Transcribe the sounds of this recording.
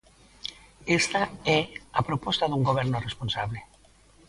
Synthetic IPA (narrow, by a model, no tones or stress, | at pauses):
est̪aɛapɾopɔst̪aðuŋɡoβ̞ɛɾnoresponsaβ̞le